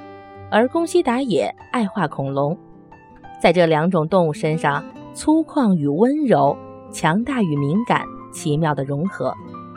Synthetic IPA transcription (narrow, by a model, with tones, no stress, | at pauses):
ə˞˧˥kʊ˥ŋɕi˥t̪a˧˥jɛ˨˩˦a˥˧ɪxwa˥˩kʰʊ˨˩ŋlʊ˧˥ŋ | t͡sa˥˧ɪʈ͡ʂɤ˥˩ljɑ˧˥ŋʈ͡ʂʊ˨˩ŋt̪ʊ˥˧ŋu˥˩ʂə˥nʂɑ˥˩ŋt͡sʰu˥kʰwɑ˥˩ŋy˨˩wə˥nɻo˧˥ʊt͡ɕʰjɑ˧˥ŋt̪a˥˩y˨˩mi˧˥ŋka̰˨˩˦nt͡ɕʰi˧˥mjɑ˥˩ʊd̪ə˩ɻʊ˧˥ŋxɤ˧˥